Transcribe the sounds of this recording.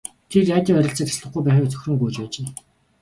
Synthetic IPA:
t̪ʰerjaːt̪iːŋœɾʲɪ̆ɬt͡sə̆t̪ʰḁsɮə̆χɡujpæːχiːk̚t͡sœ̥xʲɾɵ̆ŋɡujt͡ɕpæːt͡ɕeː

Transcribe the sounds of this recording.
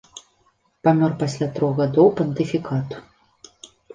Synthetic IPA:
pamʲɔrpasʲlʲat̪ɾɔɣɣad̪ɔwpɐnt̪ɨfʲikat̪u̥

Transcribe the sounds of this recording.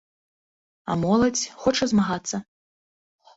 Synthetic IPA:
a̰mɔlˠɐt͡sʲxɔt͡ʂɐzmaɣat̪sːɐ

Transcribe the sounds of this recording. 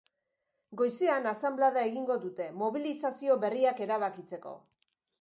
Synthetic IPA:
ɡo̞jseanasamblaðae̞ɣiŋɡo̞ðut̪e̞mo̞βilisasio̞βe̞riake̞ɾaβ̞akit͡se̞ko̞̰

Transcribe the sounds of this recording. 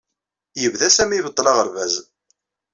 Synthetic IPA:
jəvðæsæmivət̪ˤːlɑʁəɾvæz

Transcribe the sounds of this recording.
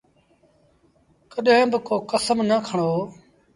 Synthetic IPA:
kəɗẽːbɪkoːkəsəmnəkʰəɳoː

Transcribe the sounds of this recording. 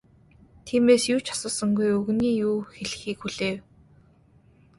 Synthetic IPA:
t̪ʰiːmeːsjuːt͡ɕʰɔ̥sə̆ːsə̆ŋɡujɵɣniːjuːxeɮɘ̆xiːkxuɮeːw

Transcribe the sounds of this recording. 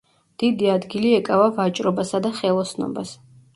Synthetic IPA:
d̪̥id̪iad̪ɡiliɛkʼavavat͡ʃʼɾɔbasad̪aχɛlˠɔsnɔ̰bas

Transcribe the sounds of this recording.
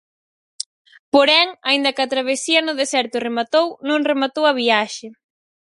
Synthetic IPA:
poɾɛŋaind̪ɐkɐt̪ɾaβ̞esiɐnʊðesɛɾt̪ʊremat̪ownõŋremat̪owɐβ̞iaʃe

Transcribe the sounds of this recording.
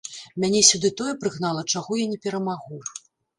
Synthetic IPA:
mʲanʲɛsʲud̪ɨt̪ɔjɛpɾɨɣn̪alˠɐt͡ʂaɣɔjanʲɛpʲɛɾɐmaɣu

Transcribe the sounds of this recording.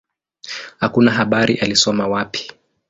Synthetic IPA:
hakunaɦaɓaɾiʔalisɔmawapʰi̥

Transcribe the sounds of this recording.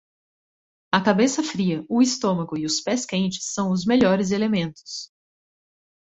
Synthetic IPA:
ɐkabesɐfɾiɐʊist̪õmɐɡʊɪʊspɛskẽnt͡ʃɪ̥sːɐ̃w̃ʊzmeʎɔɾɪzelemẽnt̪ʊ̥s

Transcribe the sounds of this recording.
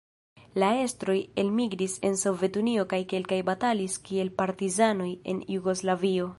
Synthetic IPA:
lae̞stɾo̞je̞lmiɡɾise̞nso̞ve̞tunio̞kajke̞lkajbataliskie̞lpaɾtizano̞je̞̰njuɡo̞slavio̞

